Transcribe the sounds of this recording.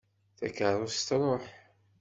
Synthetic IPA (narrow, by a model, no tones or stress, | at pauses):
θæ̰kəɾˤʊst̪ɾˤoħ